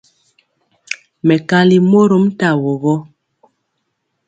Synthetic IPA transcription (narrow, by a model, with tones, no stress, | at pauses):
mɛ˨ka˦li˨mo˦ɾo˦mta˦˨wɔ˨βɔ˦